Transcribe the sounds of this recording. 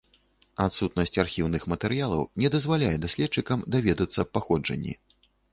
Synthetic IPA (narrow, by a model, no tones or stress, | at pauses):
at̪sut̪nɐsʲt͡sʲarxʲiwnɨxmɐt̪ɛɾɨjalˠɐ̰wnʲɛd̪ɐzvalʲajɛd̪asʲlʲɛt̪t͡ʂːɨkɐmd̪avʲɛd̪ɐt̪sːɐppːaxɔd͡ʐɐ̰nʲːḭ